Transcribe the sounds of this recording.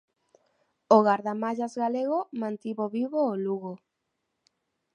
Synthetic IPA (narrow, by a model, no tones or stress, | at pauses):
oɣaɾðamaʎazɣaleɣomãnt̪iβoβiβoːluɣo